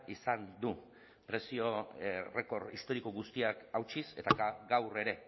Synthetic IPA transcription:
isand̪u | pɾe̞sio̞re̞ko̞ɾḭst̪o̞ɾiko̞ɣust̪iakawt͡ʃise̞t̪aɡawre̞ɾe̞

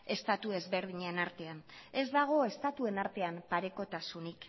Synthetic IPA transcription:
e̞st̪at̪ue̞zβe̞ɾð̞iɲeenaɾt̪e̞ane̞zd̪aɣ̞o̞e̞st̪at̪ue̞naɾt̪e̞ampaɾe̞ko̞t̪asunik

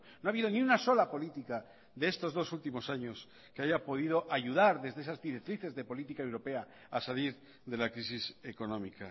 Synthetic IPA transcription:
noaβiðo̞niunaso̞lapo̞lit̪ika | ðe̞est̪o̞zðo̞sult̪imo̞saɲo̞s | ke̞aʝapo̞ðið̞o̞ʔaʝuð̞aɾðe̞zðesazðiɾek̚t̪ɾiθe̞zðe̞po̞lit̪ikae̞wɾo̞pe̞a | asaliɾ | ðe̞lakɾis̬ise̞ko̞nõ̞mika̰

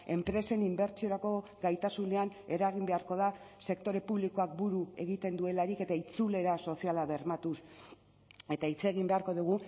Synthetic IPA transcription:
e̞mpɾe̞se̞nimbe̞ɾt͡ʃio̞ɾako̞ɡajt̪asune̞ane̞ɾaɣ̞imbe̞aɾko̞ð̞a | se̞kt̪o̞ɾe̞puβliko̞ak̚buɾue̞ɣ̞it̪e̞nd̪ue̞laɾike̞t̪ait͡sule̞ɾaso̞sialaβe̞ɾmat̪us | e̞t̪ait͡se̞ɣimbe̞aɾko̞ðuɣ̞u

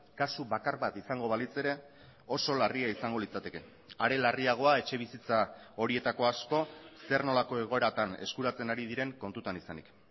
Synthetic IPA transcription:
kasuβakaɾβat̪isaŋɡo̞βalit͡se̞ɾe̞ | o̞so̞lariaisaŋɡo̞lit͡sat̪e̞ke̞ | aɾe̞lariaɣ̞o̞ae̞t͡ʃe̞β̞isit͡sa | o̞ɾie̞t̪ako̞asko̞se̞rno̞lako̞e̞ɣ̞o̞e̞ɾat̪ane̞̰skuɾat͡se̞naɾið̞iɾe̞ŋko̞nt̪ut̪anisanik

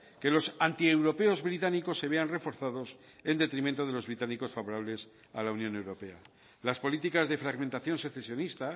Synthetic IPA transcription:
ke̞lo̞sant̪ie̞wɾo̞pe̞o̞zβɾit̪aniko̞sːe̞β̞e̞anre̞fo̞ɾθað̞o̞s | e̞nd̪e̞t̪ɾimẽnt̪oð̞e̞lo̞zβɾit̪aniko̞sfaβo̞ɾaβle̞s | alaunjone̞wɾo̞pe̞a | laspo̞lit̪ikazðe̞fɾaɣmẽnt̪aθjõ̞nseθesjo̞nist̪a

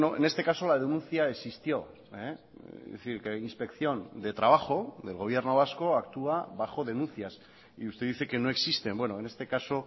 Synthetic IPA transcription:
noḛne̞st̪e̞kaso̞laðenũnθjaeksist̪jo̞ | ḛ | ðeθiɾkeinspe̞kθjo̞nd̪e̞t̪ɾaβ̞axo̞ðe̞lɣo̞β̞je̞ɾno̞β̞asko̞akt̪uaβaxo̞ð̞e̞nunθjas | iust̪eðiθe̞ke̞noe̞ksist̪e̞mbwe̞no̞ene̞st̪e̞kaso̞

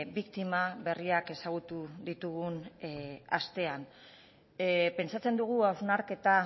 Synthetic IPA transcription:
bikt̪imaβe̞riake̞saɣ̞ut̪uðit̪uɣun | ast̪e̞an | pe̞nt͡sat͡se̞nd̪uɣ̞uawznaɾke̞t̪a

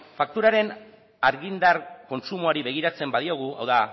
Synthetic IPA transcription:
fak̚t̪uɾaɾe̞n | aɾɣind̪arko̞nsumuaɾiβe̞ɣ̞iɾat͡se̞mbaðio̞ɣua̰wða

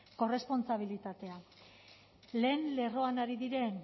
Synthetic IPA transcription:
ko̞re̞spo̞nt͡saβ̞ilit̪at̪e̞a | le̞ːnle̞ro̞anaɾiðiɾe̞n

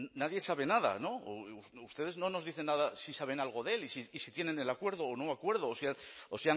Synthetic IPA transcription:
naðje̞saβ̞e̞nað̞a̰no̞uust̪e̞ð̞e̞zno̞no̞zðiθe̞nːaðasisaβ̞e̞nalɣ̞o̞ðe̞lisiːsit̪je̞ne̞nelakwe̞ɾðo̞ːno̞akwe̞ɾð̞oːseaosea

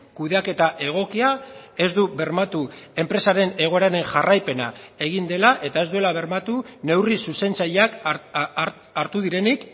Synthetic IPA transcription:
kuðe̞ake̞t̪aʔe̞ɣ̞o̞kiae̞zd̪uβe̞ɾmat̪ue̞mpɾe̞saɾe̞ne̞ɣ̞o̞e̞ɾaɾe̞ŋʝarajpe̞na̰e̞ɣind̪e̞laʔe̞t̪ae̞zd̪ue̞laβ̞e̞ɾmat̪une̞wrisuse̞nt͡saʎak | aɾt̪uðiɾe̞nik

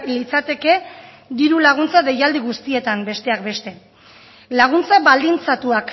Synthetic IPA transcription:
lit͡sat̪e̞ke̞ | d̪iɾulaɣ̞unt͡saðe̞jald̪iɣ̞ust̪ie̞t̪ambe̞st̪e̞akbe̞st̪e̞ | laɣ̞unt͡saβald̪int͡sat̪uak

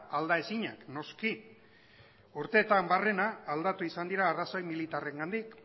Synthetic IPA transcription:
ald̪ae̞siɲakno̞ski | uɾt̪e̞ːt̪ambare̞naːld̪at̪uisand̪iɾaːraso̞jmilit̪are̞ŋɡand̪ik

